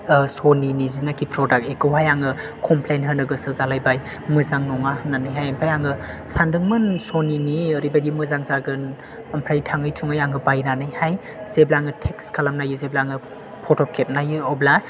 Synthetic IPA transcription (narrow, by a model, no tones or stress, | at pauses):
soninizinakʰipʰɾɔdak̚ekɯwɦajaŋɯ | kʰɔmpʰlejnɦɯnɯɡɯsɯzalajbaj | mɯzaŋnɔŋahɯnːanɯjɦajɐmpʰajaŋɯ | sandɯŋmɯnsoniniəɾibajdimɯzaŋzaɡɯn | ɐmpʰɾajtʰaŋɯjtʰuŋajaŋɯbajnanɯjhaj | z̥eblaŋɯtʰekskʰalamnajɯzeblaŋɯ | pʰɔtʰɔkʰep̚najɯɔbla